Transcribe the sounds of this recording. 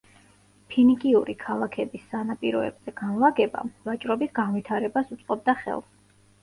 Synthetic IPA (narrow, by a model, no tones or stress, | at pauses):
pʰinikʼiuɾikʰalˠakʰɛbisːanapʼiɾɔɛ̰bz̥ɛɡ̥anlˠaɡɛba̰vat͡ʃʼɾɔbisɡanvit̪ʰaɾɛbasut̪sʼqʼɔb̚d̪aχɛ̰lˠ